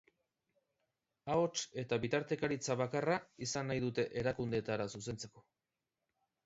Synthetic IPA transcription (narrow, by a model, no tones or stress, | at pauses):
ao̞t͡ʃe̞t̪aβit̪aɾt̪e̞kaɾit͡saβakaraisanːajðut̪e̞ʔeɾakund̪e̞t̪aɾasuse̞nt͡se̞ko̞